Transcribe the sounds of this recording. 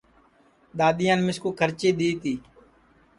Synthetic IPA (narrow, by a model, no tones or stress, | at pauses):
ɗ̪aːɗ̪ɪjãːnmɪskuːkʰəɾt͡ʃiːɗ̪iːt̪iː